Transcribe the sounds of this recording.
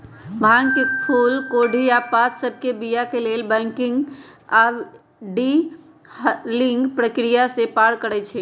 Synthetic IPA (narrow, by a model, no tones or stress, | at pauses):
bãŋkepʰulkoɽʱiapat̪səbʱkebijakelelbɛ̃ŋkiŋɡa | ɖi | liŋɡpɾəkɾijasepaɽkəɾɛt͡ʃʰɛ